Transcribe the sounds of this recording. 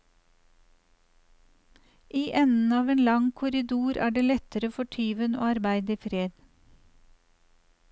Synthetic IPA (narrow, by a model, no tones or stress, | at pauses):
ʔiːʔɛnn̩ɑːʋeːnlɑŋkʰʊɾɪd̪uːɾʔæ̰ːɖeːlɛt̪əɾəfɔʈʰyːʋəno̰ːɑɾbæɪd̪iːfɾeːd̪̥